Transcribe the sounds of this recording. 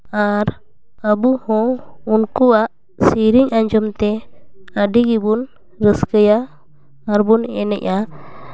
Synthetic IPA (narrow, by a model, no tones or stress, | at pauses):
aɾ | abuhɔ̃unkuaʔ | siɾiɲaɲd͡ʒɔmt̪ɛaɖiɡibun | ɾəskəjaː | ɾbunɛnɛ̰ʔa